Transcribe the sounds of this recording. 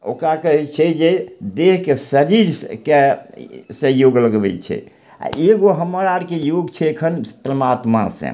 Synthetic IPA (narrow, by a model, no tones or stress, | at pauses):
o̰kɾakəɦɛt͡ʃʰɛd͡ʒed̪eɦkesəɾiɾske | sẽjoɡləɡbɛ̰t͡ʃʰɛ̰ | a̰eɡoɦəməɾaɾkejoɡt͡ʃʰɛekʰənpɾəmat̪masḛ̃